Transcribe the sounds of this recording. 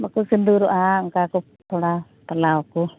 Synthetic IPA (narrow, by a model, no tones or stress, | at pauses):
bakusind̪uɾuʔaŋkaku | t̪ʰɔɽa | t̪alawaku